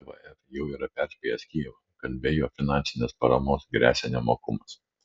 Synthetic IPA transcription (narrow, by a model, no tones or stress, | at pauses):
ʋɐ̰ɛt̪jɛʊiːɾɐpʲæɾʲsʲkʲɛjɛsʲkʲiːlˠɐkɐlʲbʲeːjoːfʲɪnɑnʲsʲɪnʲeːspɐɾɐmoːsɡɾʲʔæ̰ːsʲɛnʲɛmoːkʊmɐs